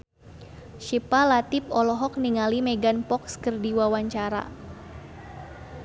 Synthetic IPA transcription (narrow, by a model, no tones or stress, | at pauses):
ʃipalat̪ɪp̚ɔlɔɦɔk̚niŋalimeɡanpɔkskərdiwawaɲt͡ʃaɾa̰